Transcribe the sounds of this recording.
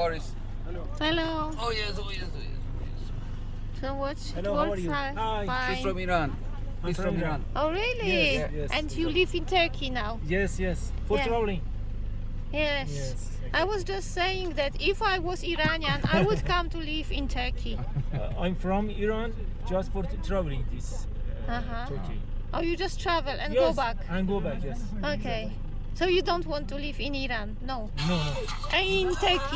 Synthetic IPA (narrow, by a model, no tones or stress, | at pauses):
ɔɹis | hɛlo | hɛloʊ | ojɛsojɛsojɛ̰sojɛs | sowʌt | ɛlowɔwa | afãɹɔ̃miɹãn | ãfmiãnʔoɹilijɛʔɛ̃ndjulivɪ̃ntʰɜ˞kʰinaʊjɛsjɛs | fɔɹavl̩ˠĩŋ | jɛs | ʔaɪwʌzd͡ʒʌstseɪɪ̃ŋðætɪfajwɔziɹanjãna̰jwʊdkʰʌ̃mtulivɪ̃ntʰɜ˞kʰi | ãj̃mfɹɔ̃miɹan | d͡ʒastfɔɾt̪ʰɹavlĩŋd̪is | aɦã | kḭ | ʔojud͡ʒʌstʰɹævəlˠʔɛ̃nɡobækæ̃nɡobækjɛs | okʰeɪ | soʊjudõʊ̃ntwɔ̃ntːulivɪ̃niɹãnːoʊnoo | ʔaɪ̃ntʰɜ˞kʰi